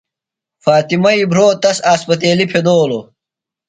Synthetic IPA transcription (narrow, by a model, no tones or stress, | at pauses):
faːt̪imɐibʱɾoːt̪ɐsaːspɐt̪̬eːlipʰed̪oːlo